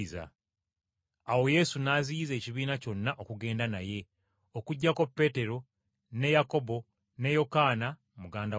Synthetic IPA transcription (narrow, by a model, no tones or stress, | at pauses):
za̰ | awo̞je̞ːsunaːzijize̞ːciβiːnaco̞nːaʔo̞kuɡe̞ːndanaje̞ | okuɟːako̞pːe̞ːte̞ɾo̞ | ne̞jako̞bo̞ | ne̞jo̞kaːna | muɡaːnda